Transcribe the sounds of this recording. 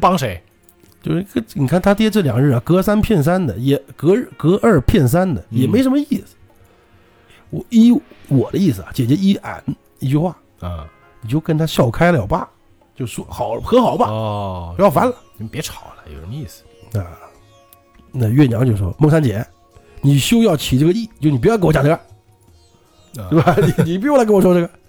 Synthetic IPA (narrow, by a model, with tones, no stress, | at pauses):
pɑ˥ŋʂe˧˥ɪ | t͡ɕjo˥˧ʊʂ̩˥˧kni˨˩kʰa˥˩nt̪ʰa˥t̪jɛ˥ʈ͡ʂɤ˥˩ljɑ˨˩ŋɻ̩˥˩a˩kɤ˥sa˥npʰjɛ˥˩ns̬a˥nd̪ə˨jɛ˧˥kɤ˧˥ɻkɤ˥ʔə˞˥˧pʰjɛ˥˩ns̬a˥nd̪ə˨jɛ˨˩me˧˥ɪʂə˧˥nmə˧i˥˩sɹ̩̥˩ | wɔ˧˩˦i˥wɔ˨˩d̪ə˦i˥˩sɹ̩˩a̰˩t͡ɕjɛ˨˩t͡ɕɥɛ˧˥i˥ʔa̰˨˩˦n | i˥˩t͡ɕy˥˧xwa˥˩˥ | ni˨˩t͡ɕjo˥˩ʊkə˥nt̪ʰa˥ɕjɑ˥˩ʊkʰa˥ɪljɑ˨˩ʊpa̰˥˩ | t͡ɕjo˥˩ʊʂwɔ˥xɑ˨˩˦ʊlxɤ˧˥xɑ˨˩˦ʊbɐ˧˨˧jɑ˥˩fa˥nlə˨˧pjɛ˧˥ʈ͡ʂʰɑ˨˩˦ʊlə˦jo̰˨˩ʊ˩ə˧˦i˥˩sɹ̩̥˨˩na˥˧ | na˥˧ɥɛ˥˩njɑ˧˥ŋt͡ɕjo˥˧ʊʂwɔ̰˥mɤ˥˧ŋsa˥nt͡ɕjɛ˨˧˥ | ni˨˩ɕo˥ʊjɑ˥˩ʊt͡ɕʰi˨˩ʈ͡ʂɤ˥˩ɡə˧i˥˩t͡ɕjo˥˩˧ʊ˧n˨˩pkwt͡ɕjʈ͡ʂːɡə˧ | t̪e˥˩ba˨˩n˧˩ni˨˩p̬u˧˥jla˧˥kwɔ˨˩ʂ̬wɔ˥ʈ͡ʂɤ˥˩ɡə˩